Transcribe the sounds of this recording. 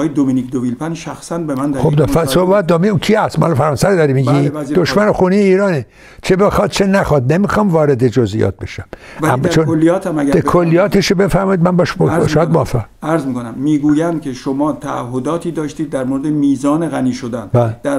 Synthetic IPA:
jed̪ominikd̪ovilpʰænʃæxsænbemænd̪xobd̪fæsohbæt̪̚d̪omicʰiæst̪mæhɒlfæɾɑːnsæɾod̪ɒɾimiɡid̪oʃmænexuneijeiːɾɒːne | t͡ʃʰebexɒd̪̥̚t͡ʃʰenæxɒːd̪nemixɒmvɒːɾed̪ed͡ʒozḭjɒ̰t̪̚bḛʃæmæmːt͡ʃʰonolːijɒːt̪ʰæmæɟæekʰolːijɒːt̪ʰeʃobe̞fæɾmɒːid̪mænbɒʃbʃʃɑːjæd̪moæfːæʁæɾzmikonæmːiːɡuːjæncʰeʃomɒːt̪ʰæːhɦːod̪ɒːt̪ʰiːd̪ɒːʃt̪iːd̪ːæɾmoɾed̪emiːzɒːneɣæniːʃod̪ænbæld̪æɾ

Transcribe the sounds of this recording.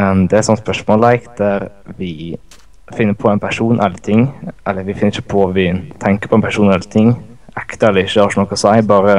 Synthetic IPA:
d̪ɛɛɾtsɔnt̪spœʂmoːlæɪk̚d̪æɾ | ʋɪ | fɪnːəɾpʰɔɛɪnpʰæʂuːnʔɛlːət̪ʰɪŋːʔɛlːəɾʋɪfɪnːɾɪçːə̥pʰɔʋɪt̪ʰɛŋkəɾpʰɔɛnpʰæʂuːnɛlːət̪ʰɪŋːækt̪əɾɛlːəɾɪçːəɑʂʊnɔkːəsæɪbɑːɾə

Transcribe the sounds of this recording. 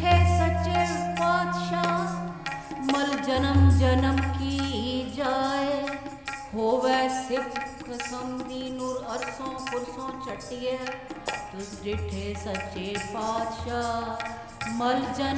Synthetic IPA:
ʈʰeːsɐt͡ʃeːpaːt̪ʃaː | mɐld͡ʒənəmd͡ʒənəmkiːd͡ʒaːe | ɦoːʋesɪpʰkʰɐsəmd̪iːnʊɾəɾsõːpʊɾsõːt͡ʃəʈːijeːt̪ʊsdɪʈʰeːsɐtːt͡ʃːeːpaːd̪ʃaː | məld͡ʒən

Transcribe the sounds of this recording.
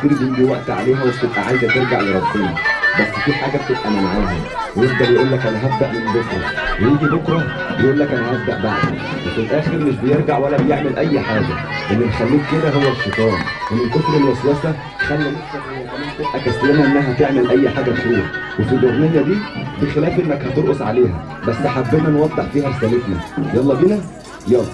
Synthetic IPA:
tid̪ibɪmb̪iwaʔt̪ʕa̰leːɦæwɪʃt̪ɪbʔaʕajzæt̪eɾɡaʕleɾˤɑbːiːæbæsːfiːħaːɡæb̚t̪ɪbʔæmamaʕaːɦæ | wjefd̪ɑljʔulːækʔænæɦab̚d̪aʔmɪnɪlbʊfɾiwejiːɡibʊkɾˤɑ | bɪʔuːlːækʔænæɦabd̪a̰ʔbaʕd̪̰ˤ | wefilʔæːxeɾmɪʃbɪjeɾˤɡaʕwælːæbɪjeʕmelʔæjːħaːɡælʔænːimxælːiːkked̪æɦowːæʃet̪ˤɑːnʔenːelʔosɾilːʔæswæsæ | xælːælefsæhowːæʔænːæhæt̪ebʔækæsjænæʔenːæɦæt̪eʕmelʔæjːħaːɡæʃɾuːħwefilʔot̪nejːæd̪iːbexelæːfʔenːækhæt̪oɾʔosʕaleːɦæ̰ | bæsːeħabːenænwɑd̪ˤːeħfiːhæsælet̪næ̰jɑlˤːɑːbilæ | jɑlː

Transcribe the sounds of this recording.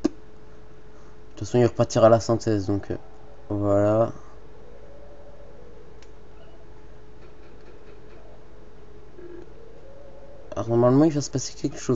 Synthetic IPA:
d̪yt̪fasɔ̃ilʁəpaʁt̪iʁalasɛ̃t̪ɛzd̪ɔ̃kʰ | vwala | a̰ʁnɔʁmalmɑ̃ilvasə̥pase̥kʲɛlkə̥ʃo

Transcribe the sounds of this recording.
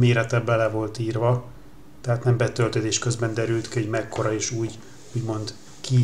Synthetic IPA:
meːɾɛt̪ɛbːɛlɛvo̞lt̪iːrvɒ | t̪ɛɦaːt̪nɛmbɛt̪ølt̪øːd̪eːʃkøzbɛnd̪ɛɾylt̪kioɟmɛkːo̞ɾɒeːʃuːɟ | uːɟmo̞nd̪ | ki

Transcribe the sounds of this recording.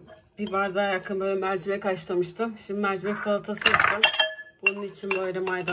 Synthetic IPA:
bivaɾd̪aːjakʰɯnbøjlʲɛmæɾd͡ʒimɛcaʃlˠamɯʃt̪ʰɯmʃimd̪imæɾd͡ʒmɛcsalˠt̪ʰasɯjopt̪ʰɯmb̥ununit͡ʃʰinbøjlʲɛmajd̪a

